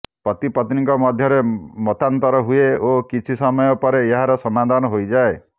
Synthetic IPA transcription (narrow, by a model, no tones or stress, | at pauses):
pɔt̪ipɔt̪niŋkɔmɔd̪ʱjɔɾemɔt̪ant̪ɔɾɔɦueokit͡ʃʰisɔmɔjɔpɔɾeeɦaɾɔsɔmad̪ʱanɔɦojd͡ʒae